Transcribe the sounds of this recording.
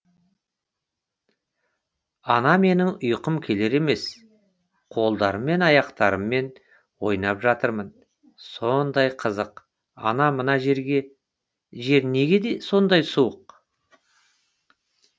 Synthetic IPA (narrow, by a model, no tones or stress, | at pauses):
ɑnɑme̞nɪŋʊjqəmkʲʰe̞le̞ɾe̞me̞s | qʰo̞lˠd̪ɑɾəmːe̞nɑjɑqt̪ɑɾəmːe̞n | wo̞jnɑpʒɑt̪əɾmən | so̞nd̪ɑjqʰəzəq | ɑ̰nɑmənɑʒe̞ɾɡʲe̞ | ʒe̞ɾne̞ɡʲe̞d̪e̞so̞nd̪ɑjsuwəq